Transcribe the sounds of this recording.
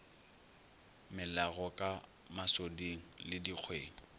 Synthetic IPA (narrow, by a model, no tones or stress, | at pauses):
mɪlaɣɔkʼa | masodiŋ̩lɪdiq͡χʰweːŋ̩